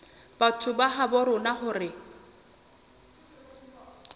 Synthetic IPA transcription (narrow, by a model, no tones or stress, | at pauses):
b̥atʰʊbaχabɔɾʊnaχʊrɪ